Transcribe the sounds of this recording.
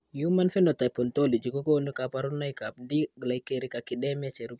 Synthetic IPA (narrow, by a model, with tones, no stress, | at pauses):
ju˦ma˦nfɛ˦nota˨pɔ˨nto˦li˨d͡ʒi˨ko˦ko˦nu˦ka˨pa˨ɾu˦nːa˦jka˨p̚di˦ɡla˨jkeɾi˦ka˨ki˨de˦ma˦t͡ʃe˨ɾu˦b